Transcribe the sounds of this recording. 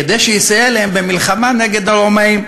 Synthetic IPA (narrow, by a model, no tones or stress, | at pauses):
ed̪ejʃejisajelaembemilχamane̞ɡe̞d̪alomaim